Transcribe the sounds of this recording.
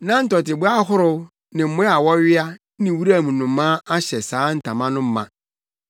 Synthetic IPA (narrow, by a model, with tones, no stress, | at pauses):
nã˦n̩˦tɔ˨tɪ˨bu˦a˦ɦʊ˦ɾʊ˦ | nɪ̃˨m̩˦mʊ̃˦a˨wɔ˦ɥɪ˦a˦ | nɪ̃˨wu˦ɾa˦˨mũ˨nʊ̃˨˦mːãː˦a˦ɕɛ˨saː˨˦n̩˨tʰã˨mã˦nʊ̃˦m̩˦mã̰˨